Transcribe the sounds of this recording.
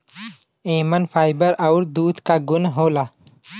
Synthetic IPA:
eːmənfʰaːɪbəɾɐʊɾd̪uːd̪kaɡʊnɦoːla

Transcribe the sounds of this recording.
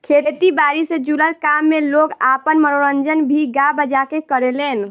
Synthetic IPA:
kʰet̪ibaɾised͡ʒuləɾkamːeloɡapənməɾoɾənd͡ʒənbʱiɡabəd͡ʒakekəɾelen

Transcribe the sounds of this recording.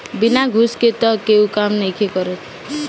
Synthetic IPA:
binaɡʱusket̪ʌkeukamnʌjkʰekʌɾet̪ʰ

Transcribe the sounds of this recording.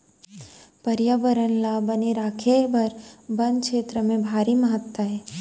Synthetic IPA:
pɐɾjaːʋəɾənlabəneɾaːkʰebɐɾbɐnkʃeːt̪ɾəmẽbʱaːɾiməɦət̪wəɦɛː

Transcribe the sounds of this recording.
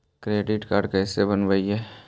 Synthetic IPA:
kɾeːɖɪʈkaːɾɖkɛːsebənʋəiɦɛː

